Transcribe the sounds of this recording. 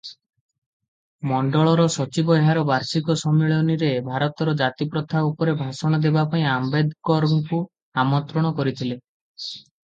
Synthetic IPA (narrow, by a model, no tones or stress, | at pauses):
mɔɳɖɔɭɔɾɔsɔt͡ʃibɔɦaɾɔbaɾsikɔsɔmeɭɔniɾebʱaɾɔt̪ɔɾɔd͡ʒat̪ipɾɔt̪ʰaupɔɾebʱasɔɽ̃ɔd̪ebapaĩambed̪kɔɾɔŋku | amɔnt̪ɾɔɽ̃ɔkɔɾit̪ʰile